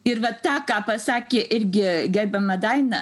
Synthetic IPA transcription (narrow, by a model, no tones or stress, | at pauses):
ɪrʋɐt̪ɑːkɑːpɐsɑːkʲeːʔɪɾʲɡʲɪɡʲɛɾʲbʲɛmɐd̪ɐɪnɐ